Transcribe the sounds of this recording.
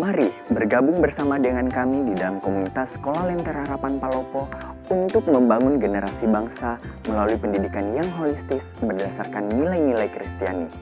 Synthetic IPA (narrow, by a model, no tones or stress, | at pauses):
maɾibərɡabʊŋbərsamadəŋankamididalamkomunit̪asə̥kolahlɛnt̪ɛrhaɾapanpalopɔ | unt̪ʊk̚məmbaŋʊnɡənəɾasibaŋsa | məlaluipəndidikanjaŋɦolist̪ɪsbərdasarkanːilajnilajkɾist̪iani